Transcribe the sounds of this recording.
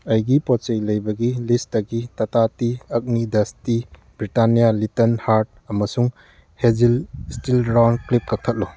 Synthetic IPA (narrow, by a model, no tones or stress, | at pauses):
ɐjɡipɔt͡ʃejlɐjbɐɡilistɐɡitɐtatiɐk̚nidɐsti | bɾitanijalitɐnhaɾt̚ | ɐmɐsuŋ | hed͡ʒilstilɾawnklip̚kɐk̚tʰɐt̚lo